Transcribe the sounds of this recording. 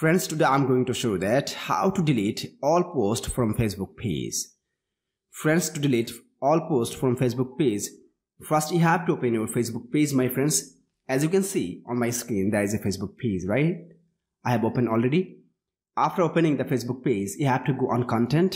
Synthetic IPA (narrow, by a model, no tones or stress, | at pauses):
fɾɛ̃nɖsʈud̪ãɪ̃mɡoɪ̃ŋʈuʃoːd̪ætha̰ʊʈuɖɪliʈɔːlposʈfɾɔ̃mfesbuk̚pʰḛz̥ | fɾɛ̃nsʈuɖɪliːʈ | ɔːlposʈfɹɔ̃mfeːs̬buk̚pez | fʌsʈjuɦæʋʈuoːpə̃njoːlfesbʊk̚peːzmaɪfɾɛ̃nɖz | æzjukɛ̃nsḭːɔ̃nmaɪskɾĩnd̪ɛɾɪzefesbuk̚pʰizɹaɪt̚ | aɪhɛʋopə̃nɖɔlɾeɖi | ʔafʈəɾopə̃nɪ̃ŋd̪əfesbuk̚pezjuhævʈuɡoːʔɔ̃nkɔ̃nʈɛ̃nt